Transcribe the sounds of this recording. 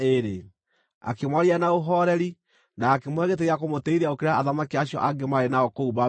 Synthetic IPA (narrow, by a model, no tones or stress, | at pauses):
eɾe | a̰kemwaɾianaoɦɔɾɛɾi | naːkemwɛɣet̬eɣeakomotɛiɾaokeɾeaːðamakiaɕijɔ̰ʔaɡemaɾenaɔkouβa